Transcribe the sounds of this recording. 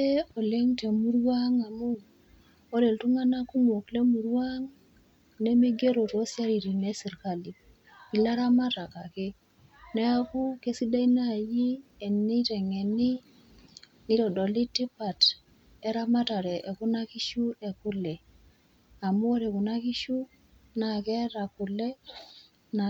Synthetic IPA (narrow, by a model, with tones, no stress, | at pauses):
e˦o˨le˦ŋte˨mu˦ɾwa˦ŋa˨mu˦ | o˦ɾe˨ltu˦ŋa˦na˦ku˦mo˨kle˦mu˨ɾwa˦ŋ | ne˦mi˦ɡe˦ɾo˨to˦sja˦ɾi˨ɾi˨ne˦si˨ɾka˨li˨ | i˨la˦ɾa˦ma˦ta˨ka˨ke˦ | nɛ˦a˦ku˦ke˦si˦da˦ina˦˨ji˦e˨ni˦tɛ˨ŋe˨ni˦ | ni˦ɾɔ˨dɔ˨li˦ti˦pa˨t | ɛ˦ɾa˦ma˦ta˨ɾɛ˨ʔe˨ku˦na˦ki˦ʃu˦e˨kʊ˦le˨ | a˨mu˦o˦ɾe˨ku˨na˦ki˦ʃu˦ | na˨kɛ˦ɾa˨ku˨le˦ | na˨